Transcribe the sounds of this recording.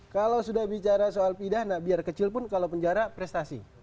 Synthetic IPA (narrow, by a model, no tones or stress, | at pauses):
kalawsudahbit͡ʃaɾasoalpidahnabiarkət͡ʃɪlpʊnkalawpəɲd͡ʒaɾapɾɛst̪asḭ